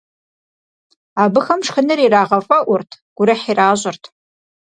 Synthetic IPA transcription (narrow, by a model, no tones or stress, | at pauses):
aːbɨxɐmʂxɨnɨriːraːʁɐfʼɐʔʷʊrtʰɡ̥ʷʊɾɐħiːraːʑʼɪrtʰ